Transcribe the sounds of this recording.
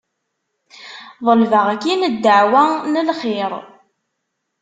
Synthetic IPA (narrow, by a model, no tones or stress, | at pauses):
ðˤəlvəʁækːinəd̪ːəʕwænəlχɪɾ